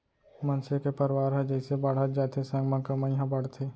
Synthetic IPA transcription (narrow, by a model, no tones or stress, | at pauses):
mɐnsekepɐɾwaːɾɦɛd͡ʒɛːsebɐɽ̤ət̪̚d͡ʒaːt̪ʰesɐ̃ŋɡmãkɐmaiɦãbɐɽ̤t̪ʰeː